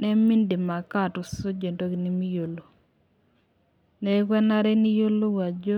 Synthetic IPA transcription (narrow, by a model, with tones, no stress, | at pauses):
nɛ˦mi˦ndi˨ma˨ka˦˨tʊ˨so˦d͡ʒe˨ndo˦ɡni˦mi˦jo˨lo˨ | nɛ˨˦kwɛ˦na˦ɾe˦ni˦jo˦lo˦wa˨d͡ʒo˦